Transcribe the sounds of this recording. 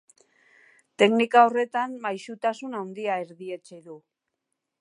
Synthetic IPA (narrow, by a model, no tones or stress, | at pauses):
t̪e̞knikao̞re̞t̪ammajsut̪asunawnd̪iae̞ɾðie̞t͡ʃeðu